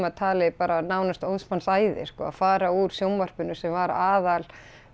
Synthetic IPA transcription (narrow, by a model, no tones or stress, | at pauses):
maðt̪ʰaːlɪpaːɾanaːwnast̪owðsmansaːjðɪ̰̥skɔ̰ːa̰faːɾauɾ̥sjowmvar̥pʏnʏsɛmvaɾaːðal